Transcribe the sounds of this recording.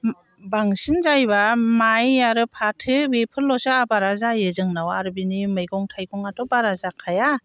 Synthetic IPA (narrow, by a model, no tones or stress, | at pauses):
baŋsinzajbamajaɾɯpʰatʰɯbepʰɯlɔsaabaɾazajezɯŋnawaɾbinimɯjɡɔŋtʰajɡɔŋatɔbaɾazakʰaja